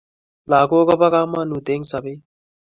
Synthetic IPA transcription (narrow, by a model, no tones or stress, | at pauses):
laːkoːɡɐbɐkaːmːaːnut̪eːŋsɐbeː